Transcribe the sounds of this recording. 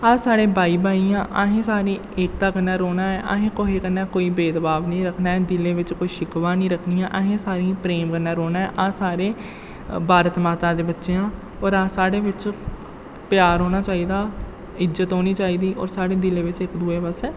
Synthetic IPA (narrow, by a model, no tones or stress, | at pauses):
aːsaːɽeːbaːiːbaːiːãːʔaːɦẽːsaːɾĩː | eːk̚t̪aːkənːaːɾoːnaːɛːʔa̰ːɦẽːkoːɦeːkənːaːkoːiːbeːd̪əbaːʋnĩːɾəkʰnaːɛːd̪ɪlẽːʋɪt͡ʃkoːiːʃɪkʋãːnĩːɾəkʰnijãːʔaɦẽːsaːɾĩpɾeːmkənaːɾoːnaːɛːʔãːsaːɾeː | bʱaːɾət̪maːt̪ãːd̪eːbətːʃeːãː | ɔːɾaːsaːɽeːʋɪt͡ʃ | pɪjaːɾɦoːnaːt͡ʃaːiːd̪aː | ɪd͡ʒət̪ɦoːniːt͡ʃaːiːd̪iːʔɔ̰ːɾsaːɽeːd̪ɪleːʋɪt͡ʃɪkd̪uːeːpəsɛː